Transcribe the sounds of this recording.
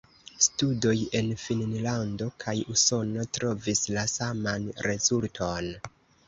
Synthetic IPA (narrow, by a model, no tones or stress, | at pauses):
studo̞je̞nfinnlando̞kʰajuso̞no̞tɾo̞vislasamanɾe̞zultʰo̞n